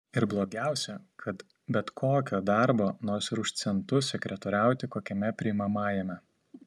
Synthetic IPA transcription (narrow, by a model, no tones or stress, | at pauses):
ɪɾblˠoːɡʲæˑʊsʲɛkʰɐt̪ | bʲɛt̪kʰoːkʲoːd̪ɑɾboːnoːɾʲsɾʊʃsʲɛnt̪ʊsʲɛkɾʲɛt̪oːɾʲæˑʊt̪ʲɪkoːkʲɛmʲɛpʲɾʲɪɪmɐmɑːjɛmʲɛ